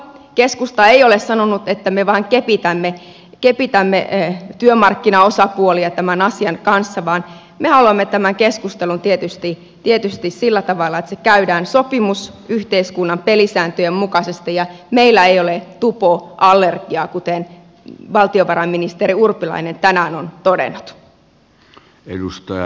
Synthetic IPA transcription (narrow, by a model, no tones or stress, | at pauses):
keskust̪ɑeijolessɑnonut̪et̪ːæmeʋɑːŋkepit̪æmːe | kepit̪æmːḛt̪yømɑrkːinɑosɑpuoliɑt̪æmænɑsiɑnkɑnsːɑʋɑːn | mehɑluɑmːet̪æmæŋkeskust̪elunt̪iet̪yst̪i | t̪iet̪yst̪issilːæt̪ɑʋɑlːɑet̪sekæydæːnsopimus | yht̪eiskunːɑmpelisæːnt̪øjemmukɑsest̪ijɑ | meilːæeijolet̪upoʔɑlːerɡ̥iɑkut̪en | ʋɑlt̪ioʋɑɾɑmːinist̪eɾiurpilɑ̰inent̪ænæːnont̪odḛnːut̪ | ḛdust̪ɑjɑ̰